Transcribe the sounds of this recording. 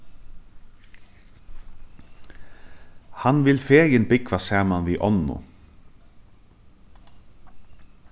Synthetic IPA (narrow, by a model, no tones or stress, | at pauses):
hɑnʋɪlfeːjɪnbɪkʋɑsæːmɑnʋiːʔɔnʊ̰